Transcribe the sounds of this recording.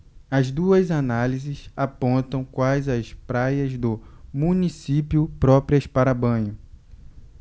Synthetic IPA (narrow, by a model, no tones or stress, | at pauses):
ɐzd̪uɐzanalizɪsapõnt̪ɐ̃w̃kwajzɐspɾajɐzd̪ʊmũnisipjʊpɾɔpɾiɐspaɾɐbɐ̃ɲʊ